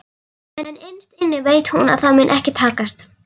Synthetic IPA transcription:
ɛnejnst̪ɪnːɪveːjt̪huna̰ðθaðmʏnʔɛhcɪt̪ʰaːkast̪

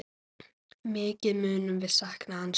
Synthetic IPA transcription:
mɪːcɪmʏːnʏmvɪðsaknaans

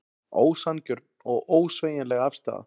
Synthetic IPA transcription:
oːwsancʏɾt̪nɔɣoːwsveːjɪnlɛɣafst̪a̰ːða̰

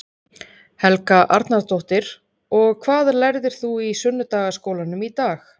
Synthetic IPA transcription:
hɛlkaʔa̰ɾt̪nat̪oht̪ɪɾ | ɔɣkʰv̥aːðlɛɾðɪɾ̥θuisʏnːʏt̪aːɣaskowlanʏmit̪aːx

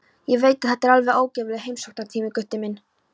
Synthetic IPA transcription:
jɛɣveːjt̪aðhɛt̪ːɛɾalvɛðoːwcɛːvɪlɪɦejmsowknaɾt̪ʰiːmɪkʏht̪ːɪmɪn

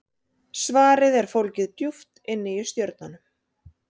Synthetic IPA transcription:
svaːɾɪðɛɾ̥fowlcɪðt̪juft̪ɪnːɪjʏ̥st̪jœɾt̪̚nanʏm

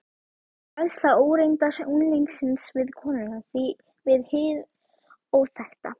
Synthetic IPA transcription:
ajðslaoːwɾejnt̪asunliŋksɪnsvɪðkʰɔːnɪɣaθi | vɪðhɪð | owθɛxt̪a

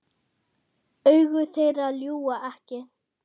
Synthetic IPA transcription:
œɥɣʏθejraljuːaʔɛhcɪ

